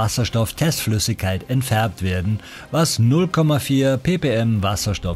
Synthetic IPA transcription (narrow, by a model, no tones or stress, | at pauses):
asɐʃtɔftʰɛstflʏsɪçkʰaɪtɛntfɛɐp̚tv̥eːɐdn̩ | vasnʊlkʰɔmafiːɐpʰeːpeːɛmvasɐʃtɔ